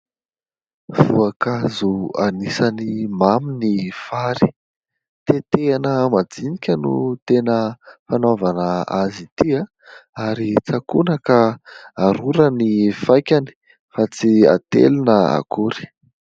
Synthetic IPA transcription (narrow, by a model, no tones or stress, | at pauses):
v̥uakazuanisanimaminifaɾi̥ | t̪et̪eanəmad͡zinikʲənut̪enəfanovanəa̰zit̪ia | aɾit͡sakunakəaɾuɾənifajkʲani̥ | fat͡sia̰t̪ḛlinəa̰kʰuɾi̥